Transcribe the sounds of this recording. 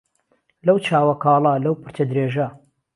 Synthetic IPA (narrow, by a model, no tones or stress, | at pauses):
lɐwt͡ʃʰaːwɐkʰɑːlˠɐlɐwpʰɨɾt͡ʃɐd̪ɾeːʒɐ